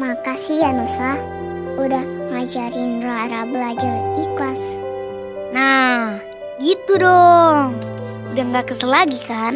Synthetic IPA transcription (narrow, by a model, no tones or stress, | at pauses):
makasijanuslah | udahŋad͡ʒaɾɪnɾaɾabəlad͡ʒariklas | nah | ɡit̪udɔŋ | daŋɡakəsəlaɡikan